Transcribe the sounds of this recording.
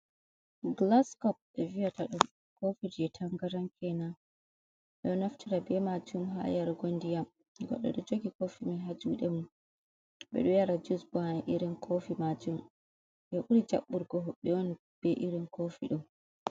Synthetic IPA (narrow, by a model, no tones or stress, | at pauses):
ɡlaskɔp̚ɛvijataɗɔm | kofid͡ʒiɛtʰaŋɡaɾaŋkʰɛna | ɛɗɔnaftiɾabɛmad͡ʒumɦa̰jaɾɡondijam | ɡɔ̰ɗːɔ̰ɗɔd͡ʒoɡikofimɛɦad͡ʒuɗɛmun | ɓɛ̰ɗɔjaɾad͡ʒusbɔhanaʔiɾinkʰofimad͡ʒum | jɛʔuɾid͡ʒa̰ɓːuɾɡɔɦɔɓːɛɔn | b̥ɛʔiɾinkʰofiɗum